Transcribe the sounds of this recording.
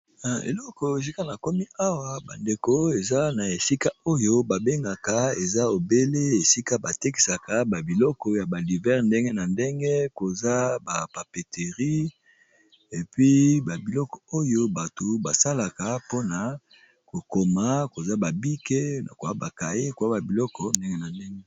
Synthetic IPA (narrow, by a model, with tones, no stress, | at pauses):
na˨ḛ˨lɔ˦kɔ˨e˨s̬i˦ka˦na˨ko˦mi˦a˦wa˨ba̰˨nde˨ko˦e˨za˦na˨e˨si˦ka˦o˦jo˦ba˨be˦ŋɡa˨ka˨˦e˨za˦o˨be˦le˦e˨si˦ka˦ba˨te˦ki̥˨sa˨ka˨ba˨bi˨lɔ˦kɔ˨ja˨ba˨li˨vɛ˦ʁnde˦ŋɡe˦na˨nde˦ŋɡe˦ko˨za˦ba˨pa˨pe˨te˨ʁi˦ | e˨pɥi˦ba˨bi˨lɔ˦kɔ̥˨o˦jo˦ba˨to˨ba˨sa˦la˨ka˨po˦na˨˦ | ko˨ko˨ma˦ko˨za˦ba˨bi˦ke˦na̰˨ko˨a˦ba˨ka˨je˦ko˨a˦ba˨bi˨lɔ˦kɔ˦nde˦ŋɡe˦na˨nde˦ŋɡe˦